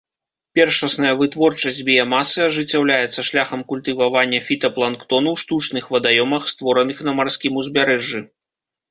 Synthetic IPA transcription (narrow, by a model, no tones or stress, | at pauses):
pʲɛrʂɐsnɐjɐvɨt̪vɔrt͡ʂɐsʲd͡zʲbʲijamasɨɐʐɨt͡sʲːawlʲajɛt̪sːɐʂlʲaxɐmkulʲt̪ɨvavanʲːɐfʲit̪ɐplˠankt̪ɔnuwʂt̪ut͡ʂnɨxvɐd̪ajɔmɐxst̪vɔɾɐnɨxnɐmarsʲkʲimuzʲbʲaɾɛʐɨ